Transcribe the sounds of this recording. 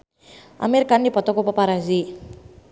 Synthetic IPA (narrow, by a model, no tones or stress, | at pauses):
a̰meɾkanipɔt̪ɔkopɔpaɾazi